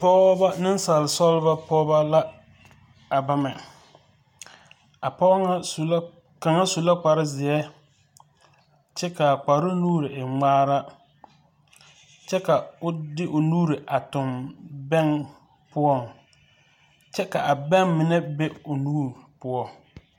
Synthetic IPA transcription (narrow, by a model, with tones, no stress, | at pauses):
pɔː˦ba˦nɪ˦n˦sa˨lɪ˨sɔ˦lba˦pɔː˦ba˦la˦ | a˨ba˦mɛ˨ | a˨pɔ˦ŋa˦˨˦ | ka˨ŋa˦su˨la˦k͡pa˨ɾɪ˦zɪ˨ɛ˦ | t͡ʃɛ˦ka˨k͡pa˨ɾɪ˦nuː˦ɾɪ˨ʔɪ˨ŋ͡maː˦ɾa˦ | t͡ʃɛ˦ka˨ʊ˦dɪ˦ʔʊ˨nuː˦ɾɪ˨ʔa˨tʊ˨mbɛ˦ŋ | pʊ˦ɔ˦˨ŋ | t͡ʃɛ˦ka˨ʔa˨bɛ˦ŋmɪ˨nɛ˦be˦ʊ˨nuː˦ɾpʊ˦ɔ˦